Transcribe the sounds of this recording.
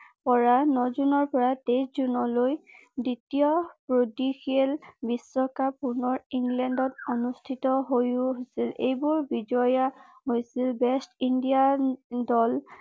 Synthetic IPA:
pɔɹanɔzunɔɹpɔɹateszunɔlojditijɔpɹodixielbisːɔkapunɔɹiŋɡlɛndɔtonustʰitɔɦojuɦojsilejbʊɹbid͡ʒɔja | ɦojsilbɛstindijadɔl

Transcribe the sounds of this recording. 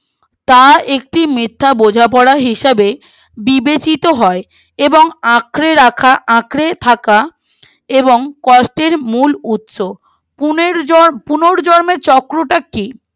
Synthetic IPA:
t̪aek̚ʈimit̪ʰːabod͡ʑʱapɔɽaɦiʃebe | bibet͡ɕit̪oɦɔe | eboŋãkɾeɾakʰaʔãkɾet̪ʰaka | eboŋkɔsʈeɾmulut̪ʃo | puneɾpunoɾd͡ʑɔɾmeɾt͡ɕɔkɾoʈakːi

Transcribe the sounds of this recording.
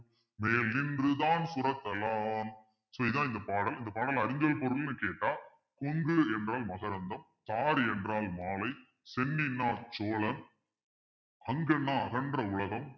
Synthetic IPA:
meːlːɪndrɯðaːnsʊrɐt̪ːɐlaːn | soɪðãːɪnd̪ɐpaːɽɐlɪnd̪ɐpaːɽɐlɐɾɯɲɡɐɭpɔɾɯlnɯkeːʈːaː | kɔŋɡɯɛndraːlmɐɣɐɾɐnd̪ɐm | t̪aːɾɛndraːlmaːlɐɪ | sɛnːɪnːaːt͡ʃoːlɐm | ɐŋɡɐnːaːɐɣɐnɖrɐʊɭɐɣɐm

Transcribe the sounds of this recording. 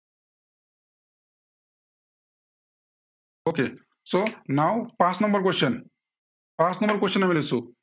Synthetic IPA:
oːkḛː | soːnaːwpaːsnɐmbɐɾk̬weʂɐn | paːsnɐmbɐɾkwɐʂɐnɐmilesu

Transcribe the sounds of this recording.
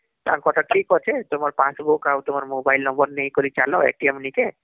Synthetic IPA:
t̪ã̰kɔʈaʈʰikɔt͡ʃʰet̪omɔɾpãsbukaut̪omɔɾmobajlnɔmbɔɾnej̃kɔɾit͡ʃalɔḛʈiemnike

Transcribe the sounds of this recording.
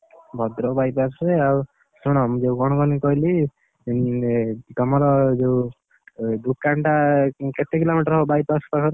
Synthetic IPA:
bʱɔd̪ɾɔbajpasɾeau | suɽ̃ɔmd͡ʒeukɔɽ̃ɔkɔnikɔili | t̪ɔmɔɾɔd͡ʒew | d̪ukaɳʈaket̪ekilomiʈɔɾɦɔbajpaspakʰɔɾ

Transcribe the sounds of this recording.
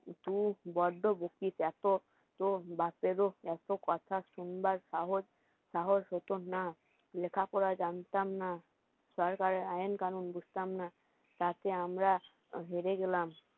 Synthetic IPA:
t̪ũbɔɖːobokit̪ɛt̪o | t̪obapeɾoɛt̪okɔt̪ʰaʃunbaɾʃaɦod͡ʑ | ʃaɦod͡ʑɦot̪ona | lekʰakɔɾad͡ʑant̪amna | ʃɔɾkaɾeajenkanunbud͡ʑʱt̪amna | t̪at̪eamɾa | ɦeɾeɡelam

